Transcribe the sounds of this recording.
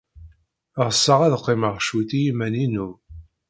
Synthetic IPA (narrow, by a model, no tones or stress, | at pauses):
ʁəsːəʁæðqːeməʁʃut̪ijimæninu